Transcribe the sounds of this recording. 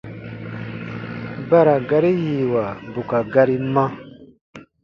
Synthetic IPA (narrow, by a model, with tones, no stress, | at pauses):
ba˦ɾa˨ɡa˦ɾi˦ji˨wa˨bu˨ka˨ɡa˧ɾi˦mã˦